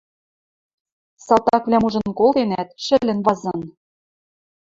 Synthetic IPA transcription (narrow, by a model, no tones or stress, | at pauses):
sɑlt̪ɑkvlʲæmuʒɤ̆nkolˠt̪enæt̪̚ʃɘ̆lʲɘ̆nβɑzɤ̆n